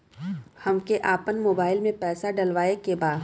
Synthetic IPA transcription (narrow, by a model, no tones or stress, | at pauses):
hɐmkeʔaːpənmoːbaːɪlmẽpɛːsaɖɐlʋaːekebaːd̪